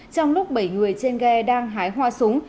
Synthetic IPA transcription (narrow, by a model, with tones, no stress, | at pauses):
t͡ɕɔ˧wŋ͡mlʊ˦˥k͡p̚ɓə˧˩jŋɨ˨˩əjt͡ɕe˧nɣɛ˧ɗaː˧ŋɦaː˨˦jɦwaː˧sʊ˨˦ŋ͡m